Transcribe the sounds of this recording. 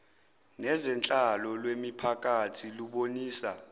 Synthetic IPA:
nɛzɛnt͡ɬʼalɔlwemipʰakʼatʰiluɓoniːsa

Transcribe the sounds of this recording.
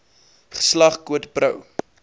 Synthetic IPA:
χə̥slɐχkuətbrəw

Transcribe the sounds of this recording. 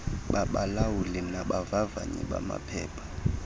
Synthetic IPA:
ɓaɓalawulinaɓavava̰ɲḭɓama̰pʰɛːpʰḁ

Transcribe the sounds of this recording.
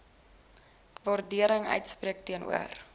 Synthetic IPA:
vɑːrdiəɾəŋœ̰ɥtspriək̚tiənʔṵər

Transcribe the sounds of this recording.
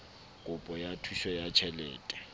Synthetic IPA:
kʼʊpʼɔjatʰuʃɔjat͡ʃʰɛlɛːtʼɛ̥

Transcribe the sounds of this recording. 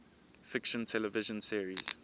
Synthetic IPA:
fɪkʃə̃ntʰɛlɛvɪʒə̃nsiəɹiz̥

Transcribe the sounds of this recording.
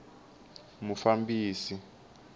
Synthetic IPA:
mufambiːsi

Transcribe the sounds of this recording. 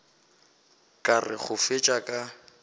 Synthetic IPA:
kʼarɪ̰χʊfet͡ʃʼakʼa

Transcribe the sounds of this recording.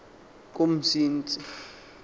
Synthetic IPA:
k̬ʼom̩siːnt͡sʼi

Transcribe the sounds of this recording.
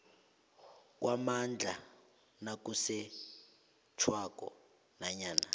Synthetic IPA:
k̬ʼwamand͡ɮʱa̰ | nak̬ʼusɛ | t͡ʃʰwakʼɔ̰ | naɲaːna

